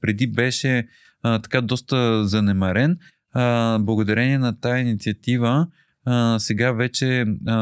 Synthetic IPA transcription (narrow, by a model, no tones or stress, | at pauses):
pɾɛd̪ibɛʃɛ | t̪ɐ̥kad̪ɔst̪əzɐnɛmɐɾɛn | blˠɐɡod̪ɐɾɛniɛnɐt̪ajəinit̪siɐt̪ivə | sɛɡavɛt͡ʃɛ